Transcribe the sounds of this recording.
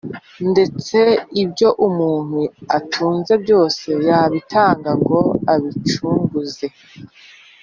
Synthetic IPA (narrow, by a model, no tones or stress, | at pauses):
nde̞t͡se̞ibɟo̞ʔumuːn̥huatʰuːnze̞bɟo̞ːse̞jaβitʰaːŋɡaɡo̞aβit͡ʃuːŋɡuze̞